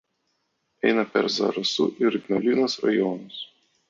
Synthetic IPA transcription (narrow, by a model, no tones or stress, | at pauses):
ɛɪnɐpʲɛ̰ɾzɐ̰ɾɐsʊ̰ʔɪɾɡʲnʲɛlʲinʊsɾɐ̰jɔːnʊs